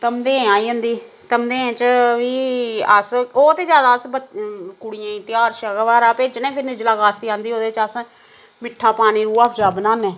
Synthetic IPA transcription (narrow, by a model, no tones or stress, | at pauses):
t̪əmd̪ẽːɛ̃aːiːə̃ːnd̪iː | t̪əmd̪eːẽːt͡ʃəʋiːəsoːt̪eːd͡ʒjaːd̪aːəsbəkʊɽɪjãːĩːt̪ɪjaːɾʃəɡəʋaːɾaːpeːd͡ʒɪnẽːpʰɪɾnɪd͡ʒlaːkaːst̪iːãːnd̪iːɦoːd̪eːt͡ʃəs | mɪʈʰːaːpaːñiːɾuːaːpʰd͡ʒaːbənãːnɛː